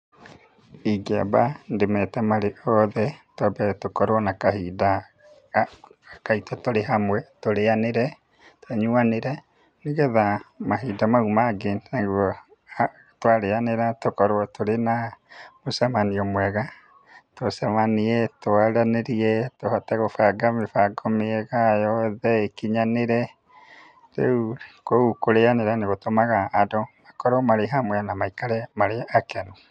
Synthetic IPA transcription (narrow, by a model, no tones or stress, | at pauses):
iɡea̰bandemɛtamaɾeʔɔðɛtɔbɛtokɔɾoɔnakaɦida | kaitɔtoɾeɦamwɛtoɾeaneɾɛ | tɛɲuaneɾɛ | niɣɛðamaɦiːdamaumaɡenaɡuɔ | twaɾeaneɾatokɔɾoɔtʰoɾenamosamaniɔmwɛɣa | tosamaniɛtoaɾaneɾiɛtohataɣofaɡamefaɡɔmeɛɣajɔðɛekiɲaneɾɛ | ɾḛukoukoɾeaneɾaneɣotomaɣaːdɔmakɔɾɔmaɾeɦamwɛanamaikaɾɛmaɾeakɛno